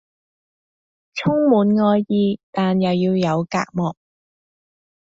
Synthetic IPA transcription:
t͡sʰʊ˥ŋmuː˨˧˥nŋɔː˧jjiː˨˧t̪aː˨njɐ˨wjiː˧wjɐ˨˧wka̰ː˧k̚mɔː˨˩k̚

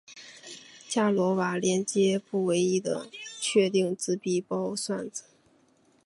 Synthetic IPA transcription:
t͡ɕja˥˩lwɔ˧˥wa˧˥ljɛ˧˥nt͡ɕjɛ˥pu˥˩we˧˥ɪi˥d̪ə̰˧t͡ɕʰɥɛ˥˧t̪i˥˧ŋt͡sɹ̩˥pi˥˩pɑ˥ʊswa˥˩nt͡sɹ̩˨˩˦

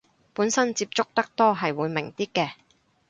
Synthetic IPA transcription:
puː˨˥nsɐ˥nt͡siː˧p̚t͡sʊ˥k̚t̪ɐ˥k̚t̪ɔː˥ɦɐ˨jwuː˨˧jmɪ˨˩ŋt̪iː˥kɛː˧

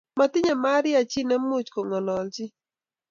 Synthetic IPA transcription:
ma˨t̪ɪ˦ɲa˨ma˦ɾɪ˦a˨t͡ʃi˦nɛ˦mu˦t͡ʃko˨ŋɔ˨lɔ˨lt͡ʃɪ˦

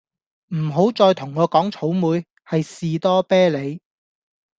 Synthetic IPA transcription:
m̩˨˩ɦo˨˥wt͡sɔː˧jt̪ʰʊ˨˩ŋːɔː˨˧kɔː˨˥ŋt͡sʰo˨˥wmuː˨˧j | hɐ˨jsiː˨t̪ɔː˥pɛː˥le˨˧j

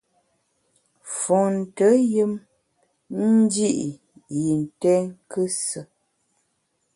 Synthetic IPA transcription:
fɔ˨n̩˨tə˨˦jɨ˦m | n̩˦d͡ʒi˦ʔ | ji˨n˨tɛ˦ŋ˦kɨ˦sə˨

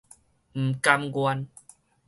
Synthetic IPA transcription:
m̩˨˩ka˧mɡwa˧n

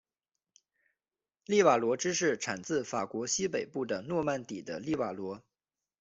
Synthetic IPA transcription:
li˥˩wa˨˩lwɔ˧˥ʈ͡ʂɻ̩˥ʂɻ̩˥˩ʈ͡ʂʰa˨˩nt͡sɹ̩˥˩fa˨˩kwɔ˧˥ɕi˥pe˨˩ɪpu˥˩d̪ə˩nwɔ˥˧ma˥˩nt̪i˨˩d̪ə̰˦li˥˩wa˨˩lwɔ˧˥

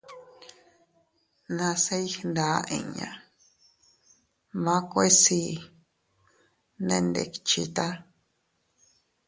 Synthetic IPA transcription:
nã˧se˦i˦hnd̪a˨˦ʔḭ̃˧ɲã̰˧˨ | mã˦kʷe˦si˧ | nẽ˧nd̪ḛ˧˨ki̥t͡ʃḭ˧t̪a˦

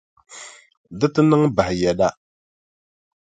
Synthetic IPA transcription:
dɨ˦tɨ˦nɨ˦ŋba˨hɪ˨jɛ˨da˦

